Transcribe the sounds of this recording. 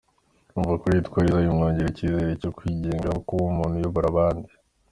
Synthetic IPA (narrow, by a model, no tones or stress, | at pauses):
uːɱvuakoitkwaːɾizaimŋoːɲɟeɾiciːze̞ɾecokwiɟeːŋɡakuβumuːn̥hujoβoɾaβaːndi